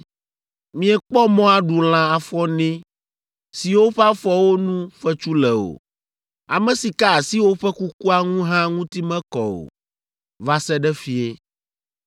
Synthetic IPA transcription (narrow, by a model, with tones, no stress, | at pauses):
mĩ˨˦ɛ˨k͡pɔ˦mɔ̃˦a˨ɖu˨l̃ã˨a˨fɔ˦nɛ̃˦ | si˨wo˦ɸɛ˦a˦fɔ˦wo˦nũ˦ɸɛ˦t͡ʃu˦lɛ˨o̰˨ | a˨mɛ̃˨si˨ka˦a˨si˦wo˦ɸɛ˦ku˦ku˦a˨ŋũ˦ɦã˦ŋũ˦t̪i˦mɛ̃˦kɔ̰˨o̰˨ | va˦sɛ˦ɖɛ˦fi˦e˦